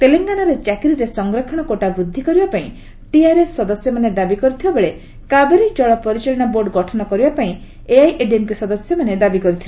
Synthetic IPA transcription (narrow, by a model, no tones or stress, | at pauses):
t̪eleŋɡanaɾet͡ʃakiɾiɾesɔŋɡɾɔkʰɔɽ̃ɔkoʈabɾud̪ʱːikɔɾibapaĩ | ʈiaɾesːɔd̪ɔsjɔmaned̪abikɔɾit̪ʰibabeɭe | kabeɾit͡ʃɔɭɔpɔɾit͡ʃɔlɔɽ̃aboɾɖɡɔʈʰɔnɔkɔɾibapaĩ | eajʔeɖiemkusɔd̪ɔsjɔmaned̪abikɔɾit̪ʰibe